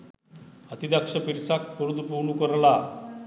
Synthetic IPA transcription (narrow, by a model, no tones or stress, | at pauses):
at̪id̪jakʂəpiɾsakːəɾud̪upuɳukəɾla